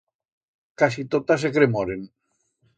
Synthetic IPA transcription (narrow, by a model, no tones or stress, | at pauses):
kasit̪ot̪asekɾemoɾen